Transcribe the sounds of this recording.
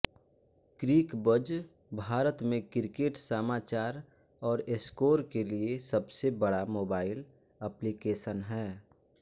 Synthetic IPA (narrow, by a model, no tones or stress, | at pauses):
kɾiːkbəd͡ʒ | bʱaːɾət̪mẽkɪɾkeːʈsəmaːt͡ʃaːɾ | ɔːɾeskoːɾkeliesəbsebəɽamoːbaːɪl | əplikeːʃənɦɛː